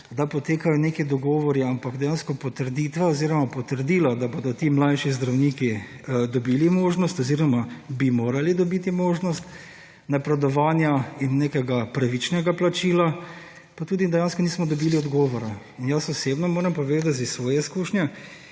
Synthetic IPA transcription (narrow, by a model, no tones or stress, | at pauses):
d̪apɔt̪eːkajɔneːkid̪ɔɡɔːʋɔɾiampaɡd̪ɛjaːnskɔpɔt̪əɾd̪it̪ʋɛoziːɾɔmapɔt̪əɾd̪iːlad̪abod̪ɔt̪iːmlajʃizd̪ɾawniːki | d̪ɔbiːlimoːʒnɔst̪ɔziːɾɔmabimoːɾalid̪ɔbit̪imoːʒnɔst̪ | napɾɛd̪ɔʋaːnjainːeːkɛɡapɾaʋit͡ʃnɛɡaplat͡ʃiːla | pat̪uːd̪id̪ɛjaːnskɔniːsmɔd̪ɔbiːliɔd̪ɡɔːʋɔɾa | injasɔseːbnɔmoːɾɛmpɔʋeːd̪at̪zisʋɔːjɛiskuʃnʲjɛ